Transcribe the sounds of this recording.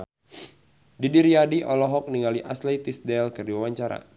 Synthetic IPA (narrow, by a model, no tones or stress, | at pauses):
didiɾiadiʔɔlɔɦɔk̚niŋaliʔaslet̪isdɛlkɨrdiwawaɲt͡ʃaɾa̰